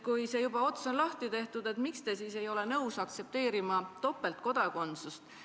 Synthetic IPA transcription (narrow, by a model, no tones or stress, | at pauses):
kujse̞ːjub̥ɑo̞t̪sonlɑht̪it̪e̞ht̪ud̪e̞t̪mikst̪e̞siːse̞jo̞le̞nɤwsɑk̚t̪se̞p̚t̪e̞ːɾimɑt̪o̞pːˑe̞lt̪̚ko̞d̪ɑko̞nt̪sust̪